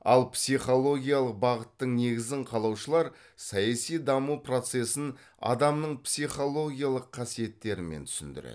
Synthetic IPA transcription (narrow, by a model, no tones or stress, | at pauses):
ɑ̰lˠpsijχo̞lˠo̞ɡʲijalˠəq̚bɑʁət̪ːəɴne̞ɡʲɪzd̪ɪɴqʰɑlˠɑwʃəlˠɑɾ | sɑjɑsijd̪ɑmupro̞t̪se̞sɪn | ɑ̰d̪ɑmnəɴpsijχo̞lˠo̞ɡʲijalˠəqʰːɑsije̞t̪ːe̞ɾɪment̪ʰʏ̥sɪ̰nd̪ɪ̰ɾḛ